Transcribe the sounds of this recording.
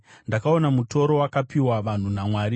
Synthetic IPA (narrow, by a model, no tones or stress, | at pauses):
ndakao̞namuto̞ɾo̞wakapiwaʋan̤unamwaːɾi